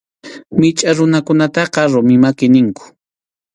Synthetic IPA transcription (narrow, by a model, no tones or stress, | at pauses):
mɪt͡ʃʼaɾʊnakʊnat̪ɑqɑɾʊmɪmakɪnɪŋkʊ̥